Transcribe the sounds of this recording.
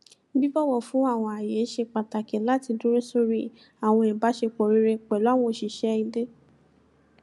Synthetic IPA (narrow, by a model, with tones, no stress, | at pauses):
bi˦bɔ˦wɔ˦˨fũ˨˦a˦˨w̃ɔ̃˧a˨je˨˦ʃe˧k͡pa˨ta˨kɛ˨˦la˨˦ti˧dũ˦ɾe˦so˦ɾi˦ | a˨w̃ɔ̃˧ɛ̃˨ba˨˦ʃe˧k͡pɔ˨ɾi˦ɾe˧k͡pɛ˨lw̃ɔ̃˧˨ʃi˨ʃɛ˦i˧de˦